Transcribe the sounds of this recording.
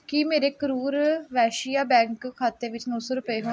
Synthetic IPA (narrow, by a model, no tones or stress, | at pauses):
kimeːɾeːkəɾuːɾʋɛːʃijaːbɛ̃ːŋkkʰːaːt̪eːʋɪt͡ʃnɔ̃ːsoːɾʊpəeːɦoː